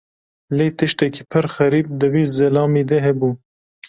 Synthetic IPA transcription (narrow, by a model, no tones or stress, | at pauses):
leːt̪ɨʃt̪ɛki̥ːpʰəɾxɛɾiːp̚d̪əwiːzɛlɑːmiːd̪ɛɦɛbuː